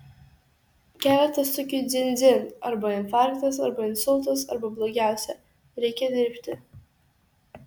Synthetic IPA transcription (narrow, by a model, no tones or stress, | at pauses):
kʲæːlʲɛt̪ɐst̪ʊkʲɪd̪zʲɪnʲd̪zʲɪnɐɾbɐɪnfɑˑɾkt̪ɐsɐɾbɐɪnsʊlˠt̪ɐs̬ɐ̰ɾbɐblˠoːɡʲæˑʊsʲɛ | ɾʲɛɪkʲɛd̪ʲɪɾʲpʲt̪ʲɪ